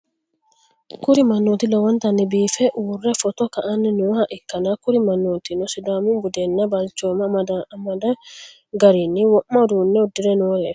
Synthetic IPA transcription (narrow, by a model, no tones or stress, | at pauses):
kʊɾɪmɐnːot̪ɪlɔwɐnt̪ɐnɪbiːfɛʔwʊrːɛfɔt̪ɔkɐʔɐnːɪnʊhaʔɪkːɐnakʊɾɪmɐnːot̪inɔsɪd̪aːmʊmbʊd̪ɛnːɐbalt͡ʃoːmɐdmɐd̪ɐ | ɡɐɾiniwɔʔːɐd̪uːnːɛɔd̪ːɪɾɛnʊwɔɾɛ